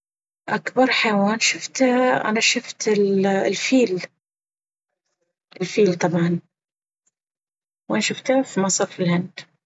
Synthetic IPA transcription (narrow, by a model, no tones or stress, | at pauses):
ʔakbɑɾˤħajwaːnʃʊft̪ʔa̰naʃʊft̪ɪllfiːl | ʔɪlfiːlt̪ˤɑbʕɑn | wʔanaʃʊft̪hafimasˤɑːɾfilhand̪